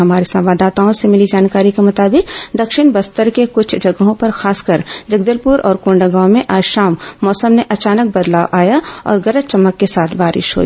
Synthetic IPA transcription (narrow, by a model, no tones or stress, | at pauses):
ɦɐmaːɾesɐ̃mʋaːd̪aːt̪aõsemɪlid͡ʒaːnkaːɾikemʊt̪aːbɪkd̪ɐkʃɪñbɐst̪əɾkekʊt͡ʃʰd͡ʒɐɡɦõpɐɾxaːskəɾd͡ʒɐɡd̪əlpuɾʔɔ̰ːɾkõːɳɖəɡãːmẽʔaːʃaːmːɔːsəmneʔɐt͡ʃaːnək̚bɐd̪laːwʔaːjaɔ̰ːɾɡɐɾət̪̚t͡ʃɐmːəkːesaːt̪ʰbaːɾɪ̰ʃɦo̰ːḭː